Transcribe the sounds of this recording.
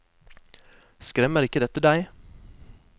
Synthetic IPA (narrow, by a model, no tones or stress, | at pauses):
skɾɛməɾɪkəd̪ɛt̪əd̪æɪ